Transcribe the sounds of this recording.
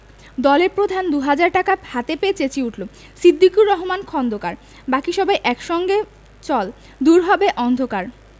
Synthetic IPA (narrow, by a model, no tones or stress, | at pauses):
d̪ɔleɾpɾod̪ʱand̪uɦad͡ʑaɾʈakahat̪epeet͡ɕet͡ɕiuʈʰlo | sid̪ːikuɾɔɦomankʰɔnd̪ʱokaɾ | bakiʃɔbʱaeʔɛkʃɔŋɡe | t͡ɕɔl | d̪uɾɦɔbeʔɔnd̪ʱokaɾ